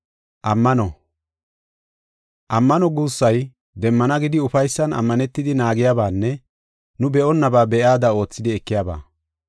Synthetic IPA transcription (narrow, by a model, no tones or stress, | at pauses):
ʔɐmːɐnɔ | ʔɐmːɐnɔɡuːsːɐj | d̪ɛmːɐnɐɡɪd̪ɪʊfɐjsːɐnɐ̰mːɐnɛt̪ːɪd̪ɪnaːɡɪjaːbaːnːɛ | nʊbɛʔɔnːɐbaːbɛjaːd̪ɐo̞ːt͡sːɪd̪ɪɛkːɪjaːba̰ː